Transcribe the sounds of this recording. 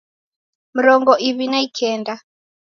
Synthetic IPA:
miɾɔŋɡɔʔiβinaikʰɛːnda

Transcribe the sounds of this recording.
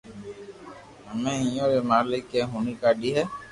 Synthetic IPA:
amɛ̃ĩjɔ̃ɾemalekɛɦũnĩkaɖiɦɛ

